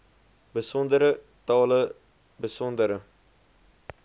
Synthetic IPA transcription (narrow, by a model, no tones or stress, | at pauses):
bəsɔnd̪əɾə | t̪ɑːlə | bəsɔnd̪əɾə